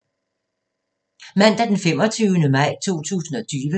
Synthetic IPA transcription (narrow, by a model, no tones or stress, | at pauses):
mæn̰d̥æd̥enfem̰ɒt͡sʰyːʊnəmɑ̈ɪ̰t͡sʰo̝̰ːt͡sʰṵːsn̩ɒ̽t͡sʰyːʋə